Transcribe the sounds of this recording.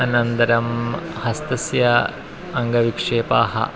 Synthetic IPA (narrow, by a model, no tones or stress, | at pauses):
ɐnɐnt̪ɐɾɐmhɐst̪ɐsjɐː | ŋɡɐʋikʂeːpa̰ːhɐ̰